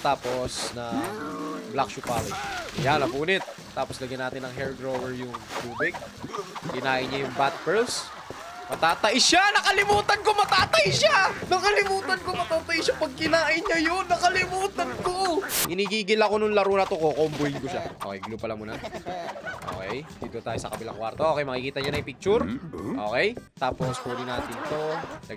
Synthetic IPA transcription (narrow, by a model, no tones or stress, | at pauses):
t̪aːposnɐ | blakʃʊpaːlɪd͡ʒjanɐpuːnɪt̪̚ːaːposlɐɡɐjnaːt̪ɪnɐŋɦɛɹɡɹowɛɹjʊŋt̪uːbɪɡ̚ | kɪnaːʔɪɲːajʊŋbat̪̚pɛɹls | mɐt̪aːt̪ɐʔɪʃanɐkɐlɪmuːt̪ɐnko̞mɐt̪aːt̪ɐʔɪʃanɐkɐlɪmuːt̪ɐnkomɐt̪aːt̪ɐʔɪʃapɐɡ̚kɪnaːʔɪɲɐjonːɐkɐlɪmuːt̪ɐnkokɪniːɡiːɡɪlɐko̞nʊŋlɐɾuːnɐt̪okokoʔʊmbʊhɪnkoʃa̰ʔo̰kɛjɡlubpɐlɐmʊːnɐ | ʔo̰ːkɛ̰jd̪iːt̪ot̪aːjosɐkɐbɪla̰ŋkwa̰ɾt̪oʔoːkɛjmɐkɪkiːt̪ɐɲanɐipɪk̚t͡ʃuɾʔo̞̰ːkɛjt̪aːpospuːd̪ɪnaːt̪ɪnt̪o̞nɐ